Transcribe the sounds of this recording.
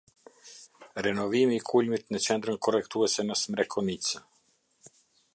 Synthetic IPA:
rɛnɔvimiːkʰulmit̪nət͡ʃɛnd̪ɾənkɔrɛkt̪uɛsɛnəsmɾɛkʰɔnit͡sə

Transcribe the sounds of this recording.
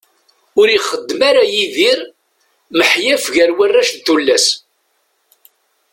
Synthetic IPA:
ʊɾiχəd̪ːmaɾajiðiɾ | məħjæfʝæɾwərːaʃt̪ulːæs

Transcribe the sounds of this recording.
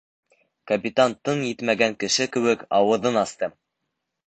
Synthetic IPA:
kɐpʲit̪ant̪ɤnjɘt̪mæɡæŋkɘ̆ʃɘkɘ̆wɘkɑwɤ̆ðɤnɑst̪ɤ

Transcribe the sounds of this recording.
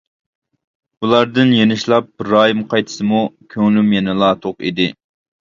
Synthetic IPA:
bulˠɑɾd̪ɨnjenɪʃlˠɑp̚ɾɑːjimqʰɑjt̪ʰɨ̥sɨmukʲʰøŋlymjɛnɨlˠɑːt̪ʰoqḭd̪ɪ

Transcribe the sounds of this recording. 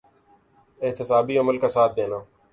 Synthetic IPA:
ɪɦt̪əsaːbiːəməlkaːsaːt̪̚ʰd̪eːnaː

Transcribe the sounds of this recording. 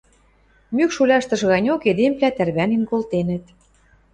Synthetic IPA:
mykʃulʲɑʃt̪ɤ̆ʃɣɑnʲoked̪emplʲæt̪ærβæninkolt̪enə̆t̪

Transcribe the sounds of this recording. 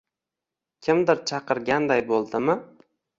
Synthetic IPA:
kʲʰɪmd̪ɪɾt͡ʃʰɑqʰɨɾɡʲand̪ajbolˠd̪ɪmɪ

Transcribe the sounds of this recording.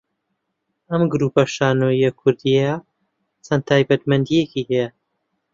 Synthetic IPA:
ɐmɡɾupɐʃaːnoːjɐkʰʊɾd̪ijja | t͡sʰɐnt̪ʰaːjbɐt̪mɐnd̪ijekiɦɛjɛ

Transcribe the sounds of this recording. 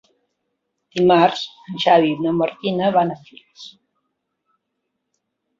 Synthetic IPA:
d̪̥imaɾzənʃaβinoməɾt̪inəβanafils

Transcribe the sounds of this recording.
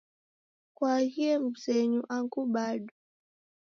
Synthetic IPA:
kwahiɛmusɛɲuʔaŋkuɓaɗu

